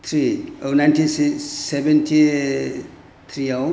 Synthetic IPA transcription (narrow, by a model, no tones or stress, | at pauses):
t̪ʰɾionajntʰisisebentʰi | t̪ʰɾiaw